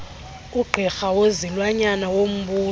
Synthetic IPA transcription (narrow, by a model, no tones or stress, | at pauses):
uɡ͡ǃʱixawozilwaɲanawom̩ɓuː